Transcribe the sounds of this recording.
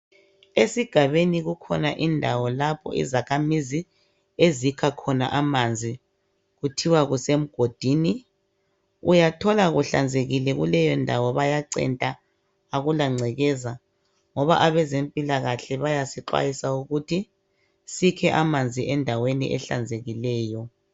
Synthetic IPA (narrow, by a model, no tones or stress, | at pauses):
esiɡ̥ʱaβeniɣukʰɔnaʔindʱawɔlapʰɔ̰ḭzakʰamizi | ezikʰakʰɔna̰ʔamand͡zʱi | ɣutʰiwaɣusem̩ɡ̥ʱod̥ʱiːni | ujatʰɔlaɣuɬa̰nd͡zʱeɣilɛɣṵlɛjɔndʱawɔβajaǀɛ̰ntʼaː | ɣulaŋ͡ǀʱɛɣɛza | ŋɔβa̰ʔaβɛzempʼilaɣaɬɛβajasiǃwa̰jisauɣutʰi | sikʰɛʔamand͡zʱiʔɛndʱawenḭʔɛ̰ɬa̰nd͡zʱeɣilɛːjɔ